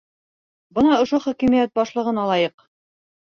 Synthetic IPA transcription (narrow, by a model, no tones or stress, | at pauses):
bɤ̆nɑŏʃoχɵ̆kimijæt̪̚bɑʃlˠɤ̆ʁɤ̆nɑlˠɑjɤq